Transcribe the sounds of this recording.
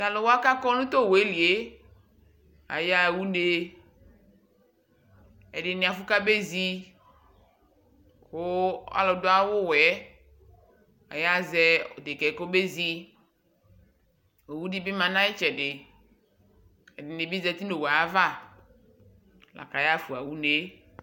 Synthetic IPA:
ka˨lɔ˨wo˦a˦ka˦kɔ˦nũ˦t̪o˦˨wo˨e˦li˨e˦ | a̰˨ja˦˨wu˦ne˦ | ɛ˨ɖɪ˨nɪ˨a˨fʊ˦ka˦be˦zi˦ | kʊ˦a̰˦lɔ˨dʊ˦a˦wʊ˦wɛ˨˦ | a̰˨ja˦zɛ˦o˨d̪e˨kɛ˨ko˦be˦zi˦ | o˨wu˦di˦bɪ˦mã˨nã˦ɪ˦t͡ʃɛ˨dɪ˨ | ɛ˨dɪ˨nɪ˨bi˦zɛ˦t̪i˦no˨wa˨a˦va˦˨ | lʔa̰˨ka˨ja˦fu˨a˨wu˦ne˨

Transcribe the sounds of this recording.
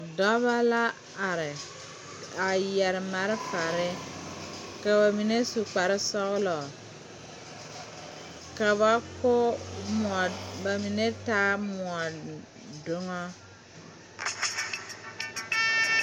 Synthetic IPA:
dɔ˦ba˦la˦ | a˨ɾɪ˨ | a˨jɛ˨ɾɪ˨ma˨ɾɪ˦fa˨ɾɪ˦ | ka˨βa˨mi˨ne˦su˨k͡pa˨ɾɪ˦sɔ˦ɣlɔ˨ | ka˨βa˦ko˦m˨ba˨mi˨ne˦taː˦mu˨a˨ | do˦ŋɔ˦

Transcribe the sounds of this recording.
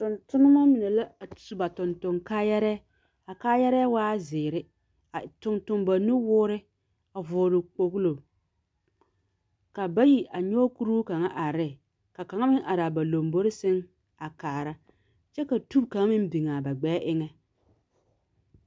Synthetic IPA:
tʊ˨ntʊ˦nʊ˦ma˦mi˨nɛ˨la˦˨sba˨tʊ˨ntʊ˨ŋkaː˦jɛ˦ɾɛ˦ | a˨kaː˦jɛ˦ɾɛ˦waː˦zɪː˨ɾɪ˦ | a˨tʊ˨ntʊ˨mba˨nʊ˦wʊː˦ɾɪ˦ | a˨vʊː˨ɾɪ˨k͡po˨ɣlo˨ | ka˨ba˦ji˨ʔa˨ɲɔ˦ku˦ɾu˦ka˨ŋa˦ʔa˨ɾɪ˦˨ | ka˨ka˨ŋa˦mɪ˦ŋʔa˨ɾa˨ba˨lo˨mbo˦ɾɪ˦sɪ˦ŋ | a˨kaː˨ɾa˦ | t͡ʃɛ˦ka˨tu˦bka˨ŋa˦mɪ˦n˦bi˨ŋa˨ba˨ɡ͡bɛː˦ʔɪ˦ŋɛ˦

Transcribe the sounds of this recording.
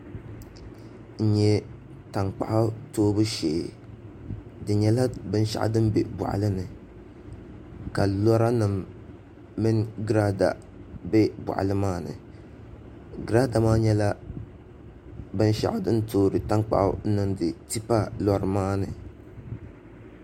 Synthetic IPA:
n̩˨ɲɛ˦ | ta˨ŋk͡pa̰˨ʔʊ˦toː˦bɨ˦ʃeː˨ | dɨ˨ɲɛ˦la˦bɨ˦n˦ʃa̰˨ʔdɨ˦mbɛ˨ba̰˨ʔa̰˨lɨ˦nɨ˨ | ka˨lɔ˦ɾa˦nɨ˨mː | ɨ˦nɡɾa˦da̰˨ | bɛ˦ba̰˨ʔlɨ˦maː˦nɨ̰˨ | ɡɾa˦da˨maː˦ɲɛ˦la˦ | bɨ˦n˦ʃa̰˨ʔʊ˦dɨ˦n˦toː˦ɾɨ˨ta˦ŋk͡pa̰˨ʔʊ̰˦n˦nɨ˨ndɨ˨ti˦pa˦lɔ˦ɾɨ˨maː˦nɨ˨

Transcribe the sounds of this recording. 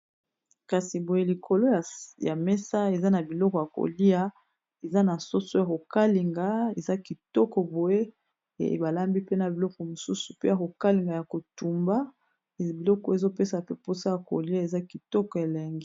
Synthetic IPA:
ka˨si˨bo˨je˦li˨kʰo˨lo˦a˨ja˨me˦sa˦e˨za˦na˨bi˨lɔ˦kɔ˨ja˨ko̰˨li˦a˦ | e˨za˦na˨so˦so˦ja˨ko˨ka˦li˨ŋɡa˨˦e˨za˦ki˨tɔ˦kɔ˨bo˨ḛ˦˨ | ba˨la˦mbi˦pe˦na˨bi˨lɔ˦kɔ˨mo˨su˦su̥˨pe˦ja˨ko˨ka˦li˨ŋɡa˨ja˨ko˨tu˨mba˦˨ | bi˨lɔ˦kɔ˨e˨zo˦pe˦sa˨pe˦po˦sa˦ja˨ko̰˨li˦a˨e˨za˦ki˨tɔ˦kɔ˨e˨la˨ŋɡi˦

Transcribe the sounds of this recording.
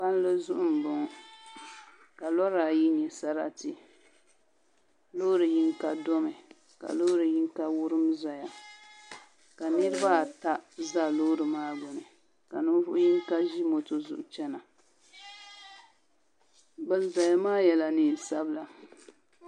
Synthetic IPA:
pa˦n˦lɨ˦zʊ˦ʔʊ˦m̩˨bʊ˨ŋ˨ | ka˨lɔ˦ɾa˨ji˦ɲɛ˨sa˦ɾa̰˦tɪ˨ | lo˦ɾɨ˨ji˦ŋka˦dɔ˦mɨ˨ | ka̰˨lo˦ɾɨ˨ji˦ŋka˦wʊ˦ɾɨ˦mza˨ja˨ | ka˨nɨ˦ɾɨ˦ba˦˨ta˦za˦lo˦ɾɨ˨maː˦ɡʊ˨nɨ˨ | ka̰˨nɨ˦vʊ˦ʔʊ˦ji˦ŋ˦ka˦ʒi˦mo˨to˨zʊ̰˨ʔʊ˨t͡ʃɛ˦na˨ | bɨ˨lza˨ja˨maː˦jɛ˨la˨nɨ˨sa˦bla˨

